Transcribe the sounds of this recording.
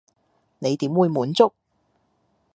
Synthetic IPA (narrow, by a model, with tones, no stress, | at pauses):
ne˨˧jt̪iː˨˥mwuː˨˧jmuː˨˥nt͡sʊ˥k̚